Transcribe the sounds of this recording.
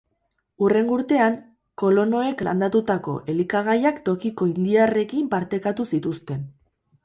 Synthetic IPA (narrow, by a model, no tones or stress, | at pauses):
ure̞ŋɡuɾt̪e̞aŋ | ko̞lo̞no̞e̞kla̰nd̪at̪ut̪ako̞̰ʔe̞likaɣ̞ajakt̪o̞kiko̞ind̪iare̞kimpaɾt̪e̞kat̪usit̪ust̪e̞n